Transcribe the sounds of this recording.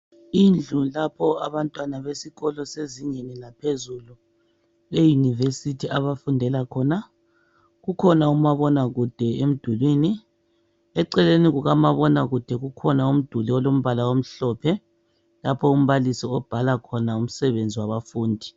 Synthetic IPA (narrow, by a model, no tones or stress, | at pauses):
ind͡ɮʱulapʰɔaβantʼwanaβesiɣɔlɔseziŋɛnɛnapʰezulu | lejunivesitʰiaβafundʱɛlakʰɔːna | ɣukʰɔnaumaβɔnaɣud̥ʱɛem̩d̥ʱulwiːni | ɛǀɛleniɣuɣamaβɔnaɣud̥ʱɛɣukʰɔnaum̩d̥ʱuliɔlom̩βalawom̩ɬɔːpʰɛ | lapʰɔum̩βalisiɔb̥ʱalakʰɔnaum̩sɛβend͡zʱiwaβafuːndʱi